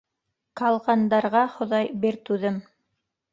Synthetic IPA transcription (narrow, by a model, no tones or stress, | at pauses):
kɑlˠʁɑnd̪ɑɾʁɑχŏðɑjbiɾt̪ʉðɘm